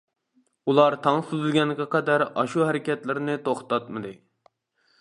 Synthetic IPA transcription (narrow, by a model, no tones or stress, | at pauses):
ulˠɑɾt̪ʰɑŋsuzɨlɡʲɛnkʲɛqʰɛd̪æɾɑʃuhæɾɪkʲɛt̪lɪɾnɪt̪ʰoχt̪ɑt̪mɨd̪ɨ